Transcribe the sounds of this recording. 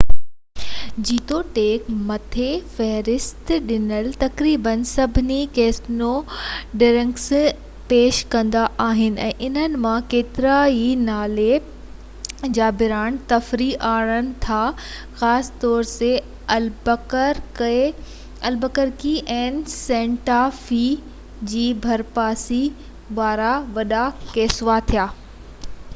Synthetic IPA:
d͡ʑiːt̪oʈeːkmɐt̪ʰefɛɦɾɪst̪ɗɪnəlt̪ɐkɾiːbənsɐbʱɪnikeːsnoɖɪɾə̃ŋks | peːʃkɐ̃nd̪aʔaːɦɪnɪ̆ɛ̰̃ːʔɪnənɪ̆mãkeːt̪ɪɾainaːle | d͡ʑaːbɪɾaːnt̪ɐfɾiʔaːɽənɪ̆t̪ʰa | xaːst̪ɔːɾse | ɐlbəkəɾ | ɐlbəkəɾkiʔɛ̃ːnɪsẽːɳʈaːfi | d͡ʑiːbʱɐɾpaːsi | ʋaːɾaʋɐɗakeːsʋat̪ʰijaː

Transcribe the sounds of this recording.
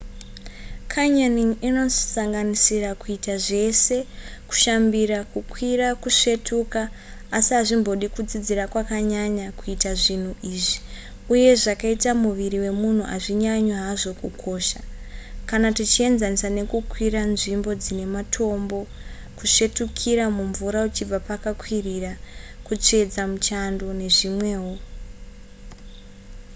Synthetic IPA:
kʰaɲaniŋino̞saŋɡanisirakuitaʐe̞se̞ku̥ʃambirakukʰwirakuʂe̞tʰukaː | siaʐimbo̞ɗikud͡zid͡zirakwakaɲaɲakuitaʐin̤uʔiːʐi | uje̞ʐakaitamuʋiriwe̞mun̤uʔa̰ʐiɲaɲwaɦaʐo̞kukʰo̞ʃakanatit͡ʃie̞nzanisane̞kukwiɾanʐimbo̞d͡zine̞matʰo̞mbo̞ | kuʃe̞tukʰiɾamuɱvuɾaut͡ʃib͡vapakakwirirakut͡ʂe̞d͡zamut͡ʃando̞ne̞ʐimwe̞ːɦo

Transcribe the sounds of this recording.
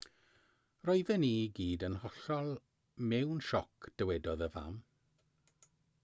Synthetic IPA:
rɔɨðɛniːɡiːdənhɔɬɔlˠ | mɛwnʃɔkʰd̥əwɛdɔðəva̰m

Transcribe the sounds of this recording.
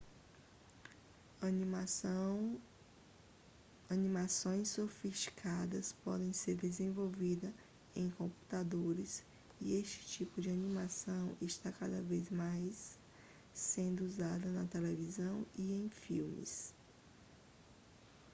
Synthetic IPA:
m | ɐnĩmasõj̃sːofiʃt͡ʃi̥kʰad̪ɐspɔ̰d̪ẽj̃seɾd̪ezẽvowvid̪ɐ | ẽj̃kõmpu̥t̪ad̪oɾɪs | ieʃt͡ʃɪ̥t͡ʃipʊd͡ʒɪanĩmasɐ̃w̃iʃt̪akad̪ɐvejzmajsː | ẽnd̪ʊuzad̪ɐnɐt̪elevizɐ̃w̃iẽj̃fiwmɪ̰s

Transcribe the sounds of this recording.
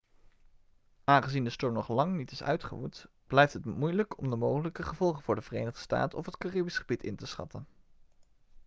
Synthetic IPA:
aːnχəzindəstøɹmnɔχlɑŋnitɪsœ̰ɥtχəʋut | b̥lɛjftɦətmujləkʰɔmdəmowχələkəχəvɔlˠχənvʊːɹdəvərḛjnəχdə̥sta̰ːtɔfətkaribisχəbitɪ̰ntəsχɑ̰tʰən

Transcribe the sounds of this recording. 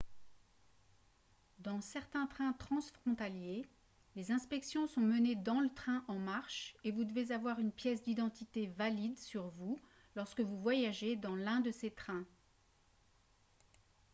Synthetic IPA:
d̪ɑ̃sɛʁt̪ɛ̃t̪χɛ̃t̪χɑ̃sfχɔ̃t̪alje | lezɛ̃spɛksjɔ̃sɔ̃məned̪ɑ̃lət̪χɛ̃ʔɑ̃maʁʃevud̪əvezavwaʁynpjɛsd̪id̪ɑ̃t̪it̪evalid̪syʁvu | lɔʁskəvuvwajaʒed̪ɑ̃lɛ̃d̪əset̪χɛ̃

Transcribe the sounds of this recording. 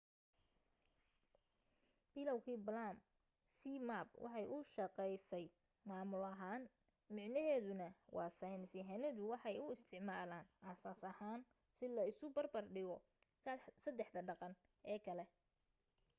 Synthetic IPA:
b̥ɪlɐwkʰiːblaːm | siːmaːb̚wʔɑ̰ħɑjʔʊʃɐqɛjsɛj | maːmʊlɐɦaːn | mɪʕnɐɦɛːðʊnɐwʔɑ̰ːsajnsɪɦɛnɐðʊwɑħɑjʊɪst̪ʰɪʕmaːlaːnʔɐsaːsɐhaːn | sɪlɐɪsʊbɐrbɐrɖɪɣɔ | sɐd̪ɛħd̪ɐɖɑqɑn | ʔɛːkʰɐlɛ

